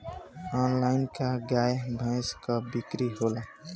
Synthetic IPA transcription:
ɔnlaɪnkaɡajbʱãjskʌbikɾiɦola

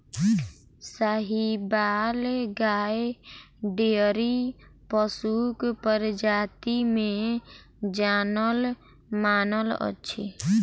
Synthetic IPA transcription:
saɦibaːlɡae | ɖeɾipəsukpəɾd͡ʒaːt̪imẽ | d͡ʒaːnəl | maːnələ̰t͡ʃʰḛ

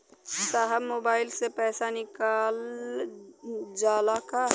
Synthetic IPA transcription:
saːɦəbmoːbaːɪlsepɛːsanɪkaːl | d͡ʒaːlaka

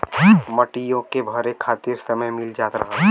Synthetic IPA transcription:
mɐʈijõkebʱɐɾekʰaːt̪iɾsəməjmɪld͡ʒaːt̪ɾɐ̰ɦɛ

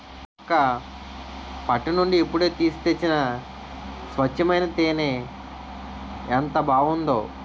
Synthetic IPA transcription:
ɐkːɐ | pɐʈːinuɳɖiːpːuɽe̞ːt̪iːst̪et͡ʃːinɐ | sʋɐt͡ʃːɐmɐjnɐt̪eːneː | nt̪ɐbʱaːɡund̪oː

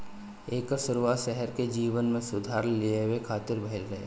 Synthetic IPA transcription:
eːkəɾsʊɾuwaːt̪ʃɛɦɛɾked͡ʒiːʋənmẽsʊd̪ʱaːɾleewekʰaːt̪ɪɾbʱəɦɪlɡɐɦḛː

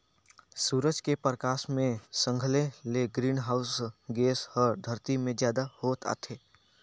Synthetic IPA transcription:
suːɾəd͡ʒkepɾəkaːʃmẽsə̃ŋɡʱəleleɡɾiːnɦaːʊsɡeːshɔːɾd̪ʱəɾt̪imẽzjaːd̪ahoːt̪a̰ːt̪ʰeː

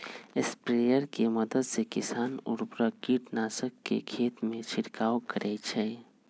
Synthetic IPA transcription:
espɾejəɾkeməd̪əd̪sekɪsaːnʊ̰ɾbɾəkiʈnaːsəkːḛkʰeːt̪mẽt͡ʃʰɪɾkaːwkəɾʔɛːt͡ʃʰɛ

